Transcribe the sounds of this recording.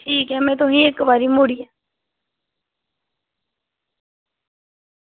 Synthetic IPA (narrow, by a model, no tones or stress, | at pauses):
ʈʰiːkɛmɛ̃ːt̪ʊɦĩekbaːɾimʊɽiɛː